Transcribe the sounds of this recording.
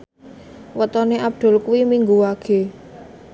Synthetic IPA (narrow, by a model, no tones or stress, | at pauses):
wət̪ɔneʔab̚d̪̥ʊ̤lkuwimiŋɡuwaɡ̥e̤